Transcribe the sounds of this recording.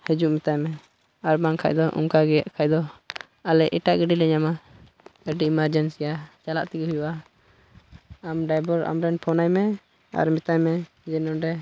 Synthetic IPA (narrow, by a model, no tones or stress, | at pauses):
hɛd͡ʒuʔmit̪ajmɛ | aɾbaŋkʰa̰ʔd̪ɔʔṵŋkaɡɛjaʔkʰajd̪ɔ | alɛʔiʈaʔɡəɖilɛɲama | əɖiimaɾd͡ʒɛnsijat͡ʃalaʔt̪ɛɡɦujuʔa | amɖajbɔɾa̰mɾɛnpʰɔnajmɛ | a̰ɾmit̪ajmɛ | d͡ʒɛnɔɖɛ